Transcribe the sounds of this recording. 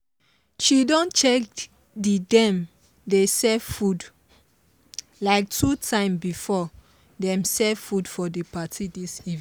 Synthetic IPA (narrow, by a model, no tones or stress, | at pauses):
ʃidɔ̃nt͡ʃɛk | didɛ̃m | desɛvfud | laɪk̚tʰutʰãɪ̃mbifɔ | dɛ̃msɛvfudfɔdepatʰidisiv